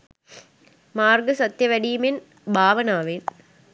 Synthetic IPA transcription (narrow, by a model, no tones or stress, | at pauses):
maːɾɡɯsɐt̪jɐʋɐɽiːmɪn | bʱaːʋɐnaːʋen